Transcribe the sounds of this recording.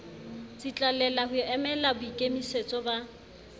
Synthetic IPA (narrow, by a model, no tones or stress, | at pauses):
t͡sʼit͡ɬʼalɛlahʊɛmɛlabʊikʼemiset͡sʼɔba